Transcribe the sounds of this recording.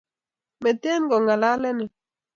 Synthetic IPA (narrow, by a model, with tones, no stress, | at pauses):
mɛ˨te˦nɡɔ˨ŋa˨la˦lɛ˦nɪ˨